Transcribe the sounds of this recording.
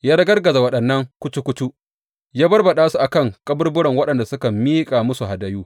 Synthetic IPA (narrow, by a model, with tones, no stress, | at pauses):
jaː˦ɾɐ˦ɡɐ˦rɡɐ˨za˨wɐ˦ɗɐ˨nːɐ˦ŋkʷʊ˦t͡ʃu˦kʷʊ˦t͡ʃu˦ʔ | jaː˦bɐ˦rbɐ˨ɗaː˦su˦˨ʔa˨kɐ˦˨ŋkʼɐ˦bʊ˦rbʊ˦ɽɐ˨ŋwɐ˦ɗɐ˨nda˨sʊ˦kɐ˨mːiː˦kʼa˨mʊ˦su˨ha˨dɐ˦juː˦